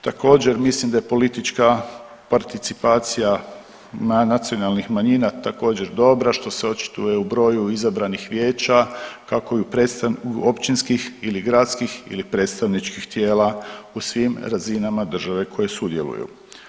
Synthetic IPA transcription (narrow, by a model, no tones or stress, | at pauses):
t̪ako̞ːd͡ʑe̞ɾmislimd̪ajepo̞lit̪it͡ʃka | paɾt̪it̪sipaːt̪sija | manat̪sio̞nalˠnixmaɲinat̪ako̞ːd͡ʑe̞ɾd̪o̞bɾaʃt̪o̞seo̞t͡ʃi̥t̪uje̞ubɾo̞ːjuizabɾanixʋje̞ːt͡ʃakako̞iupɾet̪st̪ao̞pt͡ʃinskixiliɡɾat̪skixḭlipɾe̞ːt̪st̪aʋnit͡ʃkixt̪je̞ːlausʋimɾazinamad̪ər̩ʒaʋe̞kʰo̞je̞sud̪jelṵjṵ